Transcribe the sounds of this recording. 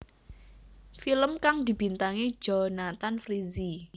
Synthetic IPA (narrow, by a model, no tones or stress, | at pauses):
filəmkaŋd̪i̤b̥int̪aŋe̥ʒ̥onat̪anfɾizi